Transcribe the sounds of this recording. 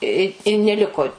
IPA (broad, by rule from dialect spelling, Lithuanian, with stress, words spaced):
ɪ ɪ nʲɛˈlʲɪkoː